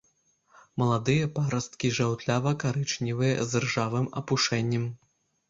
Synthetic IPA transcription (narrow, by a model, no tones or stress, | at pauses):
mɐlˠad̪ɨjɐpaɾɐst̪kʲiʐawt̪lʲavɐkaɾɨt͡ʂnʲivɨjɛ̰zʲd̪ʲɐrʐavɨmɐ̰puʂɛnʲːɛm